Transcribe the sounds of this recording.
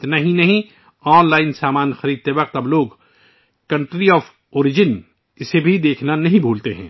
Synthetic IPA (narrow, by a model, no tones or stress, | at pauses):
ɪt̪naɦĩnɐɦĩ | ɔːnlaːɪnsaːmaːnxɐɾiːd̪̚t̪eʋɐq̚t̪ɐbloːɡ | kɐ̃ɳʈɾiɔːfʰ | oːɾɪd͡ʒɪn | ɪsebʱid̪eːkʰnanɐɦĩbʱuːlt̪eɦɛ̰̃ː